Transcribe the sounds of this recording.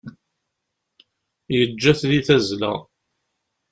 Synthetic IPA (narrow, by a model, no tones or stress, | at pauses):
jəd͡ʒːæθliθæzlæ̰